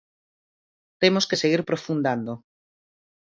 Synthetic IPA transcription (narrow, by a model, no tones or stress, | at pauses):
t̪emoskeseɣiɾpɾofund̪and̪o